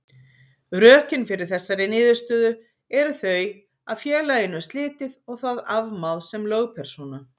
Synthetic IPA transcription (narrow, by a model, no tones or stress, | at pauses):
ɾœːhcɪnfɪɾɪɾ̥θɛsːaɾɪnɪːðɪ̥st̪œːðʏ | ɛɾʏθœj | aðfjɛːlajɪnʏst̪lɪːt̪ɪðɔɣθaðavmawlsɛmlœːɣpʰɛɾ̥suːna